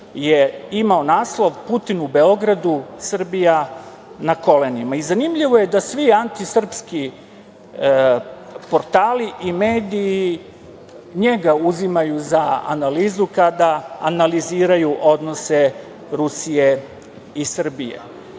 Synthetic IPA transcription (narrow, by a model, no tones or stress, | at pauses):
jeimaonaːslˠoʋput̪inube̞o̞ɡɾad̪usr̩bija | nako̞lenimaizanimʎiʋo̞je̞d̪asʋiant̪isr̩pski | po̞ɾt̪aːliʔimeːd̪iː | ɲeɡauzimajuzaa̰naliːzukad̪aanaliziːɾajuʔo̞d̪no̞se | ɾusije̞ | isr̩bijḛ